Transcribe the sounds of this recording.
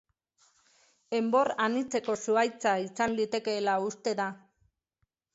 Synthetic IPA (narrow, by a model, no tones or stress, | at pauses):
e̞mbo̞ranit͡se̞ko̞suajt͡saisanlit̪e̞ke̞ːlaust̪e̞ða